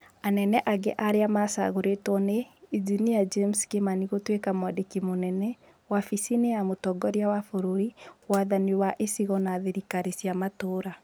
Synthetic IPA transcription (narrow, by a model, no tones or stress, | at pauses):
anɛnɛʔaɡɛ̰ʔaɾeamasa̰ɣoɾetwɔneːziniad͡ʒemskemaniɣotwekamwadekimonɛnɛ | wafisinejamotɔɡɔɾjawafoɾoɾiwaðaniwaʔesiɣɔnaðeɾikaɾesjamatoɾa